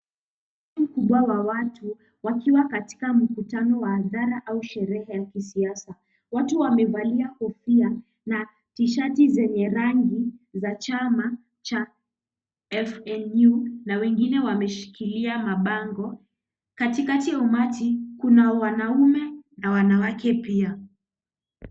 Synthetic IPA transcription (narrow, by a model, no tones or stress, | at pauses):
aim̩kuɓwawawatʰu | wakʰiwakati̥kam̩kutanɔwaːðaɾaʔauʃɛɾɛhɛjakisiasa | watuwamɛvaliahɔfia | na | tiʃatizɛɲɛɾaŋɡizat͡ʃama | t͡ʃa | ɛfɛnjunawɛŋɡinɛwamɛʃi̥kiliamaɓaŋɡɔ | katikatijaumatʰikunawanaumɛnawanawakɛpia